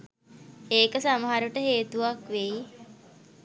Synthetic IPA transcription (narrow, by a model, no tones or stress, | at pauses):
eːkəsaməɦaɾuʈəɦeːt̪uʋakʋe